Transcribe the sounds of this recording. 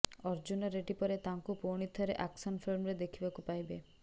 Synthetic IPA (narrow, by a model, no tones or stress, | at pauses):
ɔɾd͡ʒunɔɾeʈipɔɾet̪aŋkupoɽ̃it̪ʰːɔɾeʔaksɔnfʰilmɾed̪ekʰibakupajbe